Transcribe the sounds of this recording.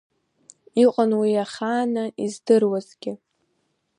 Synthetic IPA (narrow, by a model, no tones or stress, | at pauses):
iqʼanwiaχaːnaʔizdɨrwazɡʲɪ